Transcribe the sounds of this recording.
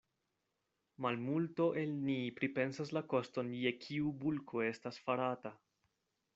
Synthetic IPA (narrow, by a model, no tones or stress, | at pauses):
malmulto̞ʔe̞lnipɾipe̞nsaslako̞sto̞nje̞kʰiubulkʰo̞e̞stasfaɾata